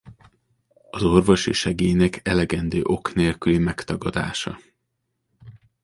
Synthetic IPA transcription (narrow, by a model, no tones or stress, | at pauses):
ɒzo̞rvo̞ʃiʃɛɡeːjnɛkʰɛlɛɡɛnd̪øːʔo̞kneːlkylimɛkt̪ɒɡɒd̪a̰ːʃɒ̰